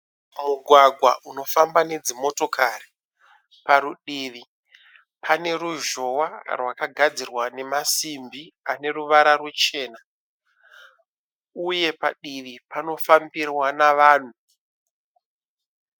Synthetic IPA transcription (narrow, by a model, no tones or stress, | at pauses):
muɡʱwaɡʱwa̰ʔuno̞fambane̞d͡zimo̞to̞kʰari | paɾuɗiːʋi | pʰane̞ɾuʒo̞warwakaɡʱad͡zirwane̞masimbiane̞ruʋaɾarwut͡ʃe̞ːna | uje̞pa̰ɗiʋipano̞fambirwanaʋaːn̤u